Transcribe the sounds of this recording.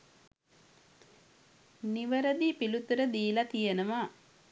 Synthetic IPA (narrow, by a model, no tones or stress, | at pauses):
niʋəɾəd̪ipilut̪uɾəd̪iːlat̪ijənəʋa